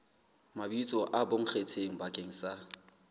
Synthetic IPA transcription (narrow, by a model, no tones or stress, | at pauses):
mabit͡sʼɔʔaboŋ̩χet͡sʰeŋ̩bakʼeŋ̩sa